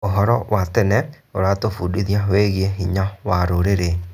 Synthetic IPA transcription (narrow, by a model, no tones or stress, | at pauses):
oɦɔɾɔwatɛnɛ | oɾatofudiðiaweɣieɦiɲawaɾoɾeɾe